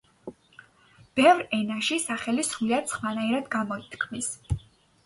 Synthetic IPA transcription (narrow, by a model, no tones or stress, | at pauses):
b̥ɛvɾɛnaʃisaχɛlisχliat̪sʰχwanaiɾad̪ɡamɔit̪ʰkʰmis